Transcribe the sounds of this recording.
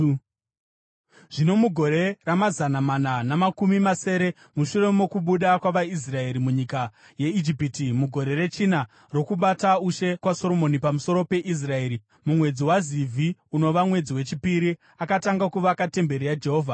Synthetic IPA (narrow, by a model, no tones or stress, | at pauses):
ʐ̥ino̞muɡʱo̞ɾe̞ramazanamananamakumimase̞ːɾe̞ | muʃure̞mo̞kuɓuɗakwaʋais̬rae̞ɾimuɲika | je̞id͡ʒipitimuɡʱo̞ɾe̞re̞t͡ʃina | ro̞kuɓatauʃe̞kwaso̞ɾo̞mo̞nipamuso̞ɾo̞pe̞ʔis̬rae̞ːɾi | mumwe̞d͡ziwazivʱiuno̞ʋamwe̞d͡ziwe̞t͡ʃipiɾi | akataŋɡakuʋakate̞mbe̞ɾijad͡ʒe̞ɦo̞ːvʱa